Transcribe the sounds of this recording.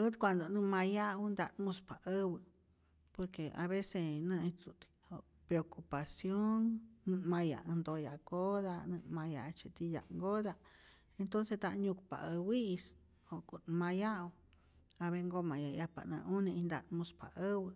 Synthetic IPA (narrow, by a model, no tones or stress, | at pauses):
ut̪kʷand̪onũmãjaund̪amũspaʔəwɨ | poɾkea̰βesenɨ̃ĩut̪i̥o | pɾeokupasjonnũmãja̰ɨ̃nd̪ojakoðanɨ̃mãja̰t͡ʃit̪ija̰ʔŋɡoða | ent̪onset̪ãʔɲũku̥pa̰ʔəwiʔs | okunmãjao | aβeŋɡomãjajapa̰nɨ̰̃unĩĩnd̪a̰t̪mũspaʔəwɨ